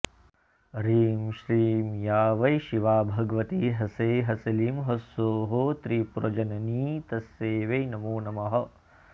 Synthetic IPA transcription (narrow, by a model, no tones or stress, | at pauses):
ɾiːmʃɾiːmjaːʋɐjʃiʋaːbʱɐɡɐʋɐt̪iɦɐseːɦɐsɐliːmɦɐsoːɦot̪ɾiːpuɾɐd͡ʒɐnɐniːt̪ɐsːeːʋejnɐmuːnɐmɐɦɐ̆